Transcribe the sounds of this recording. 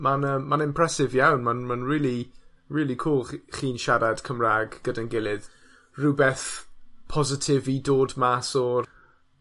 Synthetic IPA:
manəːmanɪ̃mpʰr̥ɛsɪvjawnmanmanɹɪːlˠi | ɹiːlˠikʰuːlˠχχiːnʃaɾad̥kʰəmraːɡɡ̥ədanɡɪlˠɪð | rɪbɛθpʰɔzɪtʰɪvidoːdmasɔ

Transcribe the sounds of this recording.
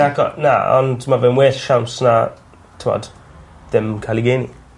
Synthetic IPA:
akɔ̰na̰ɔ̰ntʰmavɛmwɛsʃamsna | tʰwa̰d | dɛmkʰaliɡenḭ

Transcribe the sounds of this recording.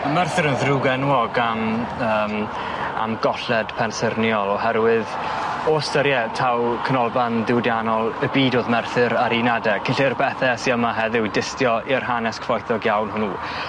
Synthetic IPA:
amɛrθɨɾənðruɡɛnwɔɡaməːm | a̰mɡɔɬɛd̥pʰɛnsərnjɔlˠɔɦɛɾwɪð | ɔstəɾjɛtʰawkʰənɔlˠbanðɪwdjanɔlˠəbiːdoːðmɛrθɨɾaɾinadɛkʰɪnɬirbɛθɛsiəmaɦɛðɪwdɪstjɔɪrɦanɛskʰvɔjθɔɡjawnhʊnuː

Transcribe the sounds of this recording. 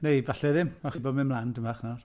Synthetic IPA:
nejvaɬɛðɪmaχibɔmɪnmlˠandəmaχnɔr

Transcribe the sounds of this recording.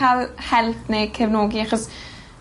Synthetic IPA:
alhɛlpnejkʰəvnoːɡiaχɔs

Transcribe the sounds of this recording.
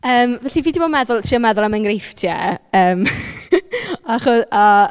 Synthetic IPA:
əːmvɛɬiviːdibodmɛðʊlˠtʰriɔmɛðʊlˠamənɡrejftʰjɛ̰əːm | aaχʊða

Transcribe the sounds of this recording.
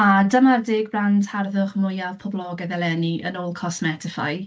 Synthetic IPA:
adəmardɪːɡ̚brandʰharðʊχmʊjav̥pʰɔblˠɔɡɛðɛlɛniə̰noːlˠkʰɔsmɛtʰɪfa̰j

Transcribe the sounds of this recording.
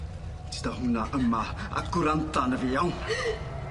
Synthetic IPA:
t͡si̥d̪aɦunaʔamaa̰kuɾant̪anəveaw

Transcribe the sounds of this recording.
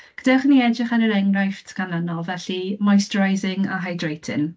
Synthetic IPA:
ɡ̥ədaχniɛdrɪχaɾəɾɛŋrajftʰɡ̥anlənɔlˠvɛɬimɔjstrajzɪŋa̰ɦajdrejtʰɪ̰n

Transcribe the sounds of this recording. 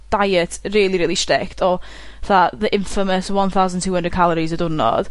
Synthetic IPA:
d̥ajətʰriːlˠiɾiːlˠistrɪktʰɔ | θaðəʔɪɱfəməswɔnθawzəntʰuːhə̃ndəd̚kʰalˠɔɾizədʊnɔ̰d̥

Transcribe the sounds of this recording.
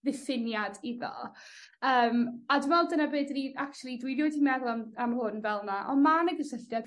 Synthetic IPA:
vɪθɪnjadiðɔ̰ | əːmadɪnvɛlˠdənabeːdniakt͡ʃulˠidwiɾjodimɛðlˠamamhʊnvɛlˠnaʔɔnmanəɡəsəɬjad

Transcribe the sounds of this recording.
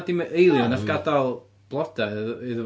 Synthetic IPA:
dimʔejlˠjɔnafɡ̥adalˠ | b̥lˠɔd̥aðɨðə

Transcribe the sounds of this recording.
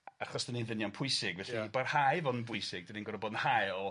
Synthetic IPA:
aχɔsd̥əninðɪnjɔnpʰʊɨsɪɡvɛɬibarhajvɔnnbʊjsɪɡ̚dəninɡɔɾɔbɔdnhajɔ

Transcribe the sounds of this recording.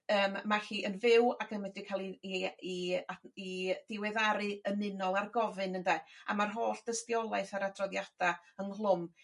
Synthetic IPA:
əːmːaɬiːʔənvɪwakʰənwɛdikʰalˠiiaid̥ɪwɛðaɾɨəmɪnɔlˠarɡɔvɨnəndaa̰marɦoːɬd̥əstjɔlˠajθaɾadrɔðjad̥aənlˠʊm

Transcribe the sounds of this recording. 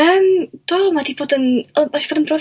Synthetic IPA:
əmd̥ɔːmadiboːdənəasi̥oːdənbrɔv

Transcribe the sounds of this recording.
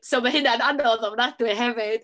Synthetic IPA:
sowmaɦɨnananɔðɔvnadwɪɦɛvɪd̥

